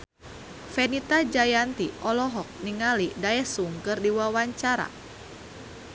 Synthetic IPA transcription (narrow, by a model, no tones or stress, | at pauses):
fɛnit̪ad͡ʒajant̪iʔɔlɔɦɔk̚niŋalidaɛsuŋkɨrdiwawaɲt͡ʃaɾa̰